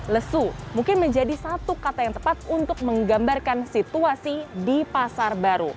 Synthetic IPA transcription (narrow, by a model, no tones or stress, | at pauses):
ləsumuŋkɪnməɲd͡ʒadisat̪ukat̪ajaŋt̪əpat̪̚unt̪ʊk̚məŋɡambarkansit̪uasidipasarbaɾṵ